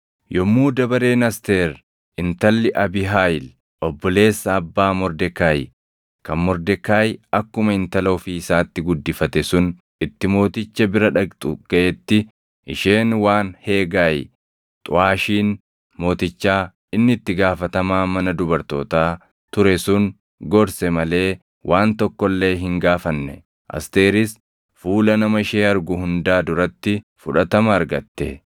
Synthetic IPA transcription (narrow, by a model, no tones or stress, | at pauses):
jɔmːuːd̪ɐbɐɾe̞ːnɐst̪eːɾ | ɪnt̪ɐlːɪʔɐbɪɦaːjɪl | ɔbːɔle̞ːsːɐːbːaːmɔɾd̪ɛkaːjɪ̰ | kɐnmɔɾd̪ɛkaːjɐkːʊmɐɪnt̪ɐlɐʊfiɪsaːt̪ːɪɡʊd̪ːɪfɐt̪ɛsʊn | ɪt̪ːɪmo̞ːt̪ɪt͡ʃːɐbɪɾɐᶑɐt̪ʼʊ̰ɡ̥ɐʔɛt̪ːɪ | ʔɪʃeːnwaːnhe̞ːɡaːj̰ | t̪ʼʊ̰ʔaːʃiːn | mo̞ːt̪ɪt͡ʃːaː | ɪnːɪːt̪ːɪɡaːfɐt̪ɐmaːmɐnɐd̪ʊbɐɾt̪o̞̰ːt̪aː | t̪ʊɾɛsʊŋ | ɡɔɾsɛmɐle̞ː | wʔaːnt̪ɔkːɔlːe̞ːɦɪŋɡaːfɐnːɛ | ʔɐ̰st̪e̞ːɾɪs | fuːlɐnɐmɐɪʃeːɐɾɡʊhʊnd̪aːd̪ʊɾɐt̪ːɪ | fʊᶑɐt̪ɐmɐːɾɡɐt̪ːɛ̰